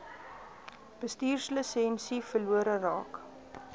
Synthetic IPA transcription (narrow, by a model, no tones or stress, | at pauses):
b̥əstiːrsələsɛnsifərluəɾərɑ̰ːk